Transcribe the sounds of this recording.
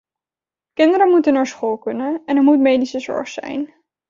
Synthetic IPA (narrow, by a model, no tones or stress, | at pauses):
kɪndəɾəmutənːaːɹsχoːlˠkɵnənɛnəɹmutmejdisəzɔ̰ɹχsɛ̰jn